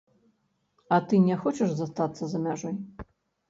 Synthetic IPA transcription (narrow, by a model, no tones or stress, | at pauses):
ɐt̪ɨnʲɛxɔt͡ʃɛʐzɐst̪at̪sːɐzɐmʲaʐɔj